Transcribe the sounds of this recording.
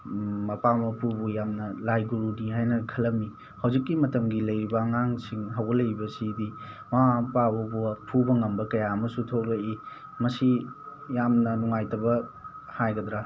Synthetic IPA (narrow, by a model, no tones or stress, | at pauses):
mɐpamɐpʰubujamnɐlajɡuɾudiɦajnɐkʰɐlɐmi | hawzikːimɐtɐmɡilɐjbɐŋaŋsiŋɦawɡɐlɐjbɐsidi | mapabɐbupʰubɐŋɐmbɐkɐjaɐmɐsutʰobɐi | mɐsijamnɐnuŋajtɐbɐ | hajɡɐdɾa